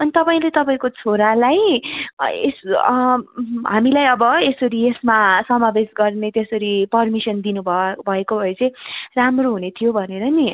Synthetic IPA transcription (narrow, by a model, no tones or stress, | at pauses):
ʌnit̪ʌpaĩlet̪ʌpaĩkot͡sʰoɾalaj | es | ɦamilajʌbʌesʌɾiesmasʌmabesɡʌrnet̪jesʌɾipʌrmisʌnd̪inubʱʌbʱʌekobʱʌet͡sʌ̃j̃ramroɦunet̪ʰijobʱʌneɾʌni